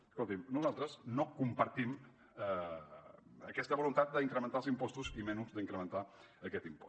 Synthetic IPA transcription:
əskolˠt̪imnuzalˠt̪ɾəznokumpəɾt̪im | ə | əkɛst̪əβulunt̪at̪̚d̪əiŋkɾəmə̃nt̪aəlˠzimpɔst̪uzimɛnuzd̪əiŋkɾəmə̃nt̪aəkɛt̪impɔ̥

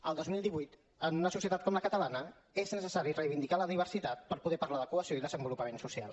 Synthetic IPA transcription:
əlˠd̪ozmilˠd̪iβujt̪ | ənunəsusijət̪at̪̚kɔmləkət̪əlanə | eznəsəsaɾirəjβind̪ikaləðiβ̞əɾsit̪at̪̚pəɾpuðɛpəɾlaðəkuəsioiðəzəmbulupəmensusia̰lˠ

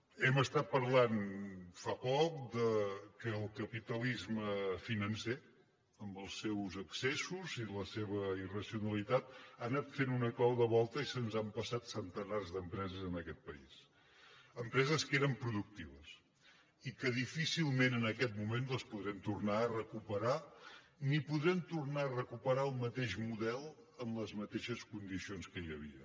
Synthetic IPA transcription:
ɛməst̪at̪̚pəɾlanfapɔk̚d̪əkəːlˠkəpit̪əlizməfinənse | əmbəlˠsewzəksesuziləseβəirəsiunəlit̪at̪anat̪fenunəklawðəβɔlˠt̪əisənzampəsat̪sənt̪ənarzðəmpɾɛzəzənəkɛt̪̚pəḭs | əmpɾɛzəskeɾəmpɾuðuk̚t̪iβəs | ikəðifisilˠmenənəkɛt̪mument̪əspuðɾɛmt̪urnaərəkupəɾa | nipuðɾɛmt̪urnaərəkupəɾaəlˠmət̪eʃmuðɛlˠ | əmləzmət̪eʃəskund̪isionskəjəβ̞ḭə̰

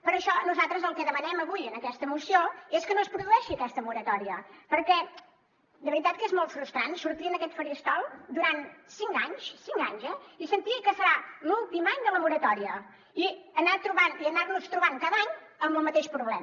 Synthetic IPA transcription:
pəɾəʃɔnuzat̪ɾəzəlˠkɛðəmənɛməβujənəkɛst̪əmusioeskənospɾuðuɛʃiəkɛst̪əmuɾət̪ɔɾiəpəɾkɛ | d̪əβəɾit̪at̪̚kezmolˠt̪fɾust̪ɾansuɾt̪iənəkɛt̪fəɾiəst̪ɔlˠd̪uɾansiŋkaɲʃsiŋka̰ɲzɛisənt̪ikəsəɾalulˠt̪imaɲd̪ələmuɾət̪ɔɾiə | iənat̪ɾuβaniənarnust̪ɾuβaŋkaðaɲəmbəlˠmət̪eʃpɾuβlɛm

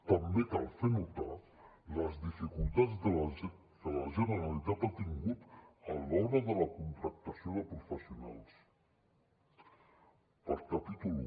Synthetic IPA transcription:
t̪əmbekalˠfenut̪a | ləzðifikulˠt̪ad͡zðə | d̪ələʒənəɾalit̪at̪at̪iŋɡut̪əlɔɾəðələkunt̪ɾək̚t̪əsioðəpɾufəsiuna̰lˠs | pəɾt̪ət̪it̪ul

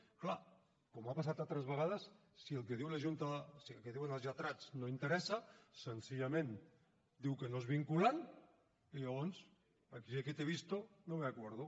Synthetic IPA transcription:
kla | komapas̬at̪at̪ɾezβəɣ̞að̞asː | ielkeð̞iwlaʒunt̪aðsielkeðiwenalzʎat̪ɾat͡snoint̪eɾɛsasensiʎamẽn | d̪iwkenoezβiŋkulan | iʎaɣ̞ɔns | akieket̪eβ̞ist̪onomeakweɾð̞o

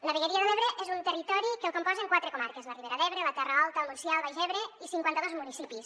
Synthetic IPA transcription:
ləβiɣeɾiəðeleβɾeʔezunt̪ərit̪ɔɾikəlˠkompɔzeŋkwat̪ɾekomaɾkəzləriβeɾaðɛβɾelət̪ɛrəalˠt̪əlˠmuɾsjialˠβajʒɛβɾeisiŋkwant̪əðozmunisipis

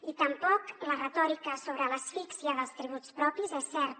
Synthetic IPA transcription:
it̪əmpɔklərət̪ɔɾikəsoβɾələsfiksjəðəlˠst̪ɾiβ̞ut͡spɾɔpizɛsːɛɾ

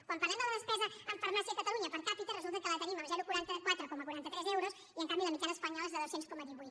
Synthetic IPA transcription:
kwamparlɛmd̪ələðəspɛzəəmfəɾmasikət̪əluɲəpəɾkapit̪erəzulˠt̪əkələt̪əniməlzɛɾukuɾant̪əkwat̪ɾəkɔməkuɾant̪ət̪ɾɛzɛwɾos | iəŋkambiðəmik̪ɛnəspəɲɔlezðəðosenskɔməðiβujt̪

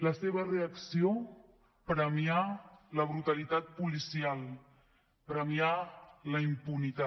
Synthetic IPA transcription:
ləseβəreəksio | pɾəmialəβ̞ɾut̪əlit̪at̪̚pulisialˠ | pɾəmialəimpunit̪a

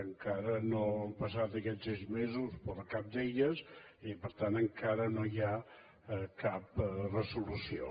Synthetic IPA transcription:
əŋkaɾənoəmpəsat̪əkɛsɛzmezuspoɾkap̚d̪eʎəs | ipəɾt̪anəŋkaɾənoja | kap̚rəsulusio̰

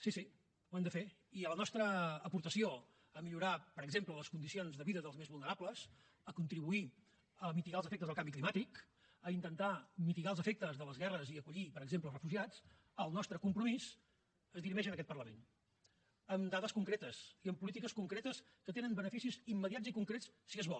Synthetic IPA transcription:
sisi | wɛmd̪əfe | iələnɔst̪ɾəːpuɾt̪əsio | əmiʎuɾapəɾəɡzemplələskund̪isionzðəβiðəðəlˠzmezβulˠnəɾapləz | əkunt̪ɾiβui | əmit̪iɣalˠzəfɛk̚t̪əzðəlˠkambiklimat̪ik | əint̪ənt̪amit̪iɣalˠzəfek̚t̪əzðələzɣɛrəziəkuʎipəɾəɡzempləlˠrəfuʒiat͡s | əlˠnɔst̪ɾəkumpɾumis | əzðiɾimɛʃənəkɛt̪̚pərləmen | əmd̪aðəskuŋkɾet̪əsiəmpulit̪ikəskuŋkɾet̪əs | kət̪enənbənəfisizimːəðiad͡zikuŋkɾet͡sssiəzβɔlˠ

